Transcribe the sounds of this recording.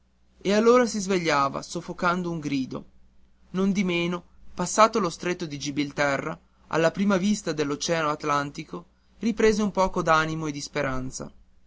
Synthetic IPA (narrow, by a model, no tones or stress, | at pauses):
ealːoːɾasizveʎːaːva̰sofːokand̪ouŋɡɾiːd̪o̰ | nond̪imeːnopasːaːt̪olost̪ɾet̪ːod̪id͡ʒibilt̪ɛrːa̰ | a̰lːapɾiːmavist̪ad̪elːot͡ʃɛːanoat̪lant̪iko | ripɾeːzeumpɔːkod̪animoed̪ispeɾʔant̪sa̰